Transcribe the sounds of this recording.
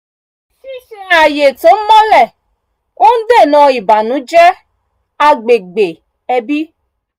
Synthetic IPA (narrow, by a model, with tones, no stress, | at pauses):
ʃi˦ʃi˦a˨je˨to˨˦mɔ̃˦lɛ˦˨ | o˦n̩˦de˦˨nɔ̃˨i˨ba˨nũ˨˦d͡ʒɛ˦ | a˧ɡ͡be˨ɡ͡be˨ | ɛ˧bi˦